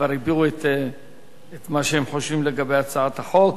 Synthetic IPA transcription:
vaɾibiʁuet̪ | et̪maʃehemħo̞ʃvimleɡabejat͡saat̪haχo̞k

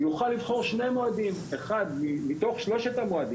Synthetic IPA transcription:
juχalːivχo̞ʁʃne̞moad̪imeχad̪mimit̪o̞χʃlo̞ʃet̪amoad̪i

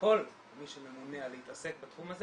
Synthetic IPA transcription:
ko̞l | miʃememunealehit̪ase̞k̚bat̪χumaz

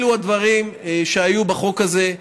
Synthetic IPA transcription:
luad̪vaʁimʃeajubaχo̞kaze̞

